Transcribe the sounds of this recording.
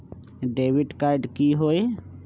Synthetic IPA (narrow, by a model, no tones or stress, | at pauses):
ɖeːʋɪɖkaɪɖkiɦoːe